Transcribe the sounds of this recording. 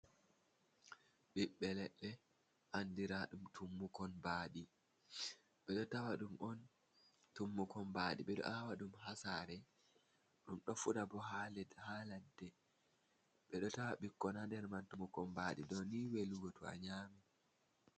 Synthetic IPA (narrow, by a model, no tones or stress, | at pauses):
ɓiɓːɛlɛɗːɛ | ʔandiɾaɗumtʰumːukɔnbaːɗi | ɓɛɗɔtawaɗumʔɔn | tumːukɔnbaɗḭɓɛɗɔ̰ʔawaɗumɦasaɾɛ | ɗumɗɔfudabɔɦalɛdhaːladːɛ | ɓɛɗɔtawaɓikːɔnadɛɾmantumukɔnbaɗidɔniweluɡɔtua̰ɲami